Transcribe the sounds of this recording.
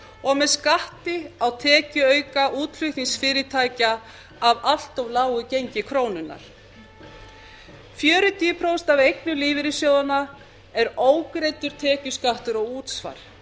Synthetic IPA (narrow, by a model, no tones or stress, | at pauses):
ɔɣmɛðskaht̪ɪawt̪ʰɛːcʏœːɥkaʔuːt̪l̥ʏht̪insfɪːɾɪt̪ʰaːjcaː | val̥t̪ɔwlaːwʏcejɲcɪkʰɾoːwnʏnːa̰ɾ̥ | fjœːɾʏt̪iːpʰɾowst̪avejknʏliːvɪɾɪsjoːwðana | ɛɾoːwkɾejt̪ʏɾ̥t̪ʰɛːcʏskaht̪ʏɾɔɣuːt̪sva̰ɾ̥